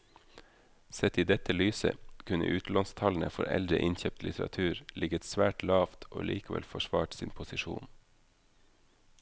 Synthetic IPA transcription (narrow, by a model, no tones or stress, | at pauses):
sɛt̪iːd̪ɛt̪əlyːsə̰kʰʉnə̰ʔʉːt̪l̩ɑnst̪ʰɑln̩əfɔɾɛ̰ld̪ɾəʔɪnçɛp̚t̪ʰlɪt̪ɾɑ̰t̪ʰʉːɾlʔɪɡət̪sʋæːʈlɑːft̪ʰʔo̰ːlʔiːkəʋɛ̰lfɔʃʋɑːʈsiːnpʰʊsɪʃṵːn